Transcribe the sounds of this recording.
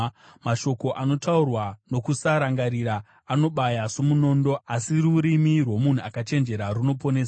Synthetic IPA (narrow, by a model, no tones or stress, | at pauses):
maʃo̞ko̞ʔano̞taurwano̞kusaɾaŋɡaɾiɾaː | no̞ɓajasomuno̞ːndo̞asiruɾimirwo̞mun̤uakat͡ʃe̞nd͡ʒe̞ɾaruno̞po̞ne̞ːsa